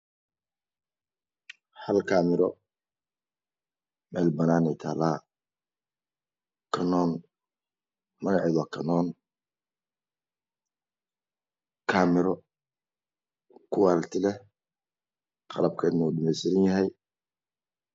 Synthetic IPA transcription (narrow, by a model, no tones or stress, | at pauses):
hɐlkʰaːmɪɾɔ | mɛːlbɐnaːnɛjt̪ʰaːlaː | kʰɐnɔːn | mɐɣɑʕɪðɔkʰɐnɔːn | kʰaːmɪɾɔ | kʰʊwaːlt̪ʰɪlɛ | qɑ̰lɐb̚kʰɐɪd̪nʊɗɪmɛjsɪɾɪnjɐɦɛj